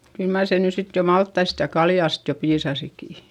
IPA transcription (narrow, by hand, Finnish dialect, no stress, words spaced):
kyl mɑr se ny sit jo mɑltːɑist jɑ kɑljɑˑst jo piːsɑsiki